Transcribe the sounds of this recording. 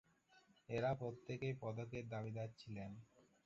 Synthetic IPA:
eɾapɾot̪ːekejpɔd̪okeɾd̪abid̪atːt͡ɕʰilen

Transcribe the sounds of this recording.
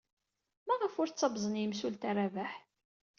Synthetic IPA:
mæʁəfʊɾt͡sːɑbzˤənjəmsult̪aɾavaħ

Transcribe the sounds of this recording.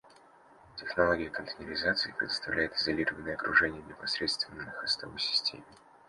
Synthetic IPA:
tʲɪxnɐlˠoɡʲɪjəkənt̪ənʲɪɾʲɪzat̪sɨɪpɾʲɪ̰d̪əst̪ɐvlʲæjɪt̪ɪzɐlʲiɾəvənːəjəɐkɾʔʊʐɛnʲɪjənʲɪpɐsɾʲet̪st̪vʲɪnːɨxɐst̪ovəjsʲɪ̥sʲtʲʰḛmʲɪ

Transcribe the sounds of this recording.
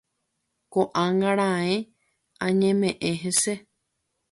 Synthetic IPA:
koʔãŋɡãɾ̃ãẽ | ãɲẽmẽʔẽɦese

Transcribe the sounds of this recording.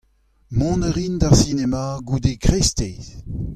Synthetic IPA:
mɔ̃nəʁind̪aʁsinemaɡud̪ekʁestez

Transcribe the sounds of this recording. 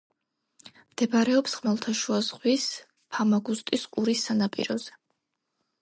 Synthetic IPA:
md̪̥ɛbaɾɛɔpsʁmalˠt̪ʰaʃuazʁwis | pʰamaɡust̪ʼisqʼuɾisːanapʼḭɾɔzɛ

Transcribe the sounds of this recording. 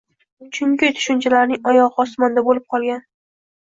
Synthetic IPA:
t͡ʃʰʊŋkʲɪt̪ʰʊ̥ʃʊnt͡ʃʰalaɾnɪŋɒjɒʁɨɒsmɒnd̪abolɪp̚qʰɒlˠɡʲan

